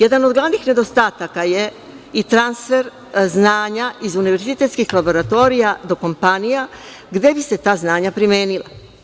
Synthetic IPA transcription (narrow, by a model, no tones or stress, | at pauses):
je̞d̪ano̞d̪ɡlˠaʋnixne̞d̪o̞st̪aːt̪akaje | it̪ɾansfe̞ɾ | znaːɲaʔizuniʋe̞ɾzit̪e̞t̪skixlˠabo̞ɾat̪o̞ɾijad̪o̞ko̞mpanija | ɡd̪e̞bise̞t̪aːznaːɲapɾimeːnila̰